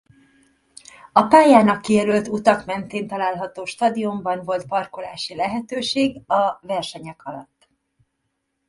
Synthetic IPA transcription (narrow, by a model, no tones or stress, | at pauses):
ɒpaːjaːnɒkːijɛɾylt̪ut̪ɒkmɛnt̪eːnt̪ɒlaːlɦɒt̪oːʃt̪ɒd̪iumbɒnvo̞lt̪̚pɒrkolaːʃilɛɦɛt̪øːʃeːɡɒvɛrʃɛɲɛkʰɒlɒ̰t̪ː